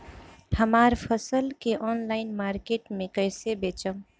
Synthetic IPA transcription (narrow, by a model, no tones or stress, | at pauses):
həmaɾpʰəsəlkeʔɔnlaɪnmaɾkeʈmekəjsebet͡ʃəm